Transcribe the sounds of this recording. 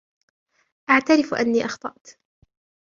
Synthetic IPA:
ʔaʕt̪aɾɪfʔa̰nːiːʔɑxt̪ˤɑʔt̪

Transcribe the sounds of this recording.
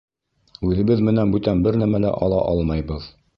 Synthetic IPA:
ʉðɘ̆bɘðmɘ̆nænbʉt̪ænbɘɾnæmælæ̰ʔɑ̰lˠɑʔɑlˠmɑjbɤð

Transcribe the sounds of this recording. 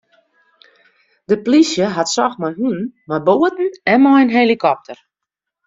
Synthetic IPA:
dəplisjəɦatsɔxmajɦunmajboːətn̩ɛmɔjənɦelikɔp̚tʰər

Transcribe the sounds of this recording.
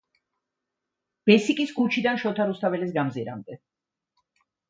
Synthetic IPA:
b̥ɛsikʼiskʰut͡ʃʰid̪anʃɔt̪ʰaɾust̪ʰavɛlisɡamziɾa̰md̪ɛ

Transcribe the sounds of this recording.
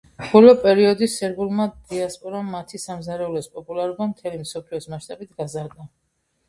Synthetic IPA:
b̥ɔlɔpʼɛɾiɔd̪isɛɾɡulˠmad̪iaspʼɔɾamːat̪ʰisamzaɾɛulɔspʼɔpʼulaɾubamt̪ʰɛlimsɔpʰliɔsmaʃt̪ʼabit̪ʰɡazaɾd̪a

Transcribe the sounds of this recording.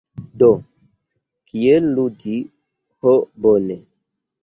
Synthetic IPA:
do | kielludi | hobone

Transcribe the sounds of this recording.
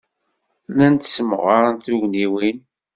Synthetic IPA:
lænt̪smə̰ʁaɾant̪uʝniwin

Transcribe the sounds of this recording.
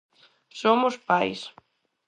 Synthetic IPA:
somʊspajs

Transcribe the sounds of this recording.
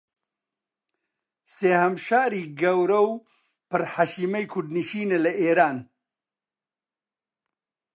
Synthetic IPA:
seːhɐmʃaːɾiːɡɐwɾɐw | pɨɾħaʃiːmɐjkʰuɖ̪niʃiːnelɐʔeːɾaːn

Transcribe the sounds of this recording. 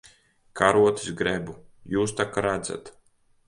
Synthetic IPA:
kaɾuɔt̪i̥sɡɾɛbujuːst̪akaɾad̪za̰t̪

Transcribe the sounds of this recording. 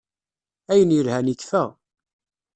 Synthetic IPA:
æjənjəɾhænikfæʁ

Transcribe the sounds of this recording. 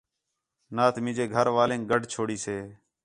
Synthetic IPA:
naːt̪mɪ̃ːd͡ʒeːɡʱəɾʋaːlẽːŋk̚ɡəɖʱt͡ʃʰoːɽiːseː

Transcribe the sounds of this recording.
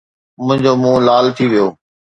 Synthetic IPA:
mʊ̃ɦɪ̃ɲd͡ʑoːmũːlaːlt̪ʰiːʋijoː

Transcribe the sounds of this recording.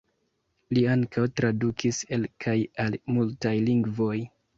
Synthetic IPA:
liaŋkawtɾadukiselkʰajalmultajliŋɡvo̞j

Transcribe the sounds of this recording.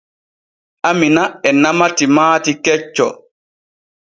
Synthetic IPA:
ʔaminaɛnamatimaːtikɛt͡ʃːɔ

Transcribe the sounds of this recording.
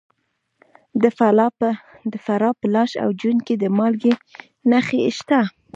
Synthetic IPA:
d̪əf | d̪əfaɾɑpəlɑʃa̰wd͡ʒunked̪əmɑlɡe | naxeʃt̪a

